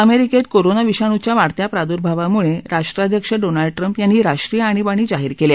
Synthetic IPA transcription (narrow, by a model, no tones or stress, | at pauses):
əmeɾiket̪koɾonaʋiɕaɽ̃ut͡ɕjaʋaɽt̪japɾad̪uɾbʱaʋamuɭeɾaʂʈɾad̪ʱjəkʂəɖonaɭɖʈɾəmpjanːiɾaʂʈɾijəaɽ̃ibaɽ̃iːd͡ʑaɦiːɾkelje